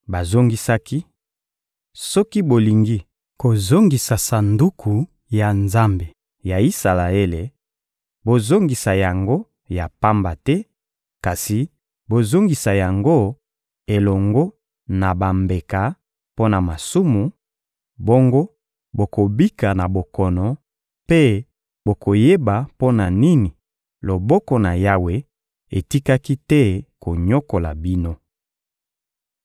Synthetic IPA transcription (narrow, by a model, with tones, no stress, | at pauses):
ba˨zo˦ŋɡi˦sa˦ki˦ | sɔ˦ki˦bo˨li˨ŋɡi˦ | ko˨zo˦ŋɡi˨sa˨sa˨ndu˦kʰu˨ | ja˨nza˦mbe˨ | ja˨i˦sa˨la˨e˦le˨ | bo˨zo˦ŋɡi˨sa˨ja˨ŋɡo˦ | ja˨pa˦mba˨tɛ˦ | ka˨si˨ | bo˨zo˦ŋɡi˨sa˨ja˨ŋɡo˦ | e˨lɔ˨ŋɡo˦ | na˨ba˨mbe˨ka˨˦ | po˦na˨ma˨su˦mu˨ | bo˦ŋɡo˦ | bo˨ko˨bi˦ka˨na˨bo˨kɔ˨nɔ˨ | pe˦ | bo˨ko˨je˦ba˨po˦na˨ni˦ni˨ | lo˨bɔ˦kɔ˨na˨ja˦we˨ | e˨ti˦ka˦ki˦tɛ˦ko˨ɲo˦ko˨la̰˨bi˦no˦